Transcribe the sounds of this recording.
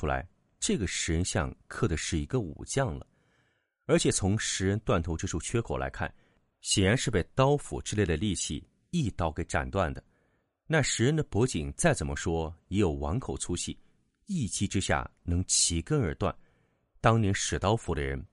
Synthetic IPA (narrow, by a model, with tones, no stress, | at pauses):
u˥la̰˧˥ɪ | ʈ͡ʂɤ˥˩ɡə˩ʂɻ̩˧˥ɻə˧˥nɕjɑ̰˥˧ŋkʰɤ˥˩d̪ə˧˩ʂɻ̩˥˩i˧˥ɡə˧ṵ˨˩t͡ɕjɑ˥˩ŋlə̰˩ | ə˞˧˥t͡ɕʰjɛ˨˩t͡sʰʊ˧˥ŋʂɻ̩˧˥ɻə˧˥nt̪wa˥˩nt̪ʰo˧˥ʈ͡ʂɤ˥˧ʂu˥˩t͡ɕʰɥɛ˥kʰɔ˨˩la̰˧˥ɪkʰa˥˩n | ɕjɛ˨˩nɻa˧˥nʂɻ̩˥˧pe˥˩ɪt̪ɑ˥ʊfṵ˨˩ʈ͡ʂɻ̩˥˧le˥˩ɪd̪ə˩li˥˧t͡ɕʰḭ˥˩ | i˥˩t̪ɑ˥˩ʊke˧˥ɪʈ͡ʂa̰˨˩nt̪wa˥˩nd̪ə˩ | na˥˩ʂɻ̩˧˥ɻə˧˥nd̪ə˨pwɔ˧˥t͡ɕi˨˩ŋt͡sa˥˩ɪt͡sə˨˩nmə˦ʂwɔ˥jɛ˧˥jo˨˩ʊwɑ̰˧˥nkʰo˨˩ʊt͡sʰu˥t͡ɕʰi˥˩ | i˥˩t͡ɕʰi˥ʈ͡ʂɻ̩˥ɕja̰˥˩nɤ˧˥ŋt͡ɕʰi˧˥kə˥nə˞˧˥t̪wa̰˥˩n | t̪ɑ˥ŋnjɛ˧˥nʂɻ̩˨˩t̪ɑ˥ʊfu˧˩ɾə˧ɻə˧˥n